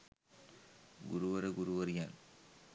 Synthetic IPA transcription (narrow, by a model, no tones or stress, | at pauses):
ɡʊɾuʋɐɾɐɡʊɾuʋɐɾɪjaːn